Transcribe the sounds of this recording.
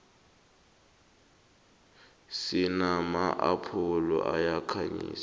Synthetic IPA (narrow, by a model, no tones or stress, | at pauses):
sɪnamaʔapʰʊlɔʔajakʰaɲḭːsa